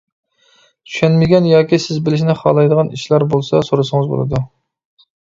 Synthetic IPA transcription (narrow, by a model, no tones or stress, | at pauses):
t̪ʰy̥ʃɛnmɪɡʲɛnjɑːkʲisɪzbɪlɪʃ̬nɪχɑ̰ːlˠɑjd̪əʁɑnḭʃlæɾbolˠsɑsoɾɨsɨŋɨzbo̰lˠɨ̰d̪u